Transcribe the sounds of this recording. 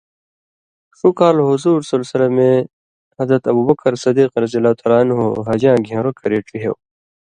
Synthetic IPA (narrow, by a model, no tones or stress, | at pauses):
ʂukaːlɦuzuːɾsɐlsilemẽ | hɐzɾɐt̪ɐbuːbɐkɐɾsɐd̪iːqɾɐzilat̪ʰaɾaːnɦo̰ɦɐd͡ʑãːɡʱẽːɾokɐɾeːʈiɦḛw